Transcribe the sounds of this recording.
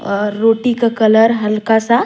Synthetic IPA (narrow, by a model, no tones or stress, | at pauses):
ɾoʈikakələɾɦəlkasa